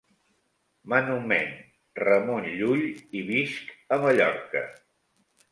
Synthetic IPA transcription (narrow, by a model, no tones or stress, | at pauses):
mənumen | rəmonʎuʎiβiskəməʎɔɾkə̰